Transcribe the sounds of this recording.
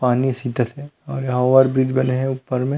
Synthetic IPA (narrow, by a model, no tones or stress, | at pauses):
paːnisiːt̪ət̪ɦɛɔːɾjɦaʋaɾbɾid̪ʱbɐneɦɛ̃upːəɾmẽ